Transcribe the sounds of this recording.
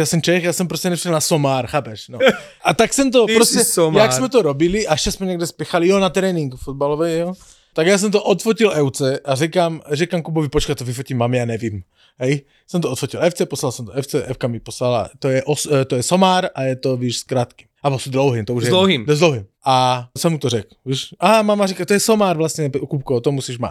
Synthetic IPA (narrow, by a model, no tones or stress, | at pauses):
jaːsɛmt͡ʃɛxjaːsɛmpɾoscɛnɛriʃɛlnasomaːɾxaːpɛʃno | ʔat̪aksɛmt̪̬opɾosɛjaksmɛt̪oɾobiliʔaʃt͡ʃɛsmɛɲɛɡdɛspɛxalijonat̪ɾɛːniŋkfod̪̚balovɛjjo | t̪aɡjaːs̬ɛmt̪oʔot̪focilʔɛwt͡sɛʔarɛkaːmrɛkamkubovipot͡ʃkat̪t̪ovifocimːamijaːnɛvim | ɦɛj | sɛmt̪oot̪focilɛft͡sɛposlalsɛmt̪oɛft͡sɛʔɛfkamiposlala̰t̪ojɛʔost̪ojɛsomaːɾajɛt̪oviːʃskɾaːt̪ki̥mabosd̪lowɦimt̪ouʒjɛlowɦimzd̪lowɦimʔasɛmut̪orɛkviʃʔaɦamamaɾikat̪ojɛsomaːɾvlast̪ɲɛkup̚kot̪omusiːʒma̰t̪